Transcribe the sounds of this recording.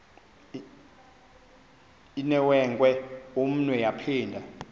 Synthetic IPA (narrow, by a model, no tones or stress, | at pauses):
inɛwɛŋkʼwɛom̩nwɛjapʰiːndʱa